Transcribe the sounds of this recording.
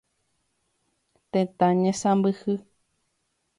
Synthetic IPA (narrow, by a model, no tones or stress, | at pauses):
t̪ẽt̪ãɲẽsãmbɨhɨ